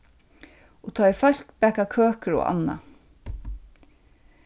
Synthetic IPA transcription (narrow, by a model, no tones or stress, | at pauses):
ɔt̪ʰɑːɪfœl̥kpɛːkakʰøːkəɹɔ̰a̰nːa̰